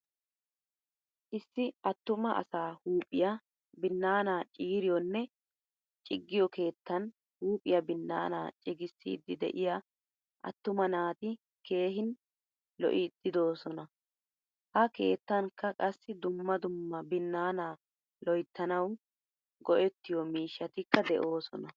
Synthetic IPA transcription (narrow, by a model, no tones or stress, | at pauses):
ʔɪsːɪɐt̪ːʊmɐʔɐ̰saːhuːpʼːɪjɐ | bɪnːaːnaːt͡ʃʼiːɾɪjɔnːɛ | t͡ʃʼɪɡːɪjɔke̞ːt̪ːɐn | huːpʼːɪ̰jɐbɪnːa̰ːna̰ːt͡ʃʼɪɡɪsːḭːd̪ːɪd̪ɛ̰ʔɪja | ʔɐ̰t̪ːʊmɐnaːt̪ɪ | ke̞ːɦɪn | lɔ̰ʔɪd̪̥ɪd̪o̞ːsɔnɐ | hɐke̞̰ːt̪ːɐŋkːɐkʼɐsːɪd̪ʊmːɐd̪ʊmːɐbɪnːaːnaː | lɔjt̪ːɐnɐw | ɡɔʔɛt̪ːɪjɔmiːʃːɐt̪ɪkːɐd̪ɛʔo̞ːsɔ̰nɐ